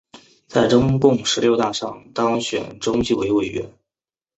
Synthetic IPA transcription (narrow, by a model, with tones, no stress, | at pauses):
t͡sa˥˩ɪʈ͡ʂʊ˥ŋkʊ˥˩ŋʂɻ̩˧˥ljo˥˧ʊt̪a˥˧ʂɑ˥˩ŋt̪ɑ˥ŋɕɥɛ̰˨˩nʈ͡ʂʊ˥ŋt͡ɕi˥˩we˧˥ɪwe˨˩ɪɥɛ̰˧˥n